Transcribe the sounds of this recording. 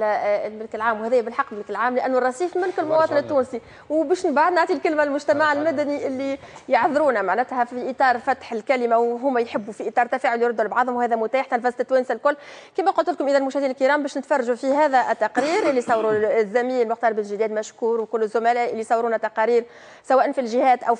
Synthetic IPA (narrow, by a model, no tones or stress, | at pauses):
lmɪlkɪlʕaːmwhæðɛːjæbɪlħɑqːmɪlkɪlʕaːmlɪʔænːrːˤɑsiːfmɪlkɪlmʊwɑːt̪ˤɨnɪt̪ːuːnsi | wbæːʃbaʕd̪naʕt̪ˤilkɪlmælmʊʒt̪æmaʕɪlmæd̪æniʔɪlːi | jɑʕðɾuːnæmaʕnæt̪hæfiʔit̪ˤɑːɾˤfæt̪ħɪlkælɪmawɦʊmːæjħɪbːufiʔit̪ˤɑːɾˤt̪ːæfæːʕʊljɾˤʊd̪ːulbʕɑðˤhʊmwhæːðæmʊt̪æːħt̪ælfɑst̪ɪt̪ːwæːnsælkʊlːkiːmæqʊlt̪ɪlkʊmʔɪðælmʊʃhd̪inlkəɾˤɑːmbæːʃnɪt̪fɑrˤːɑʒufiɦæːðæʔɪt̪ːɑqɾiːɾʔɪlːisˤɑwɾuzːæmiːnlmʊxt̪ɑːɾˤbɪlʒɪd̪ɛːd̪mæʃkuːɾwkʊlːəzʊmælæːʔɪlːijsˤɑwɾuːnæt̪ːɑqɑɾiːɾ | swæːʔnfilʒɪhæːt̪ʔæw